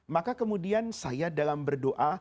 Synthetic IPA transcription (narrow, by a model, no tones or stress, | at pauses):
makakəmudiansajadalambərdoʔa